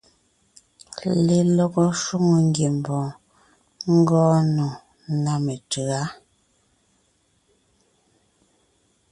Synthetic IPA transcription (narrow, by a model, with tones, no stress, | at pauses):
le˨lɔ˦ɣɔ˦ʃu˦ŋo˨ŋ˦ɡje˨m˨bɔ̃ː˨ | ŋ̩˦ɡɔ̃ː˦nɔ˨ | na˦me˨tɯ˨a˦